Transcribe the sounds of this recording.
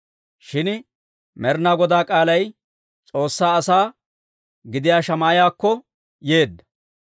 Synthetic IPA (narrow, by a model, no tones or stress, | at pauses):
ʃɪn | mɛɾnaːɡɔd̪aːkʼaːlɐj | t͡sʼo̞ːsːaːɐsaː | ɡɪd̪ɪjaːʃɐmaːjaːkːɔ | je̞ːd̪ːɐ̥